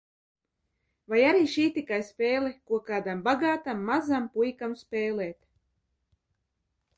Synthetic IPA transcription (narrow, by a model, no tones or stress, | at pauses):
vajaɾiːʃiːt̪ikajspʲeːlikuɔkaːd̪ambaɡaːt̪amːazampujkamspʲɛːlɛːt̪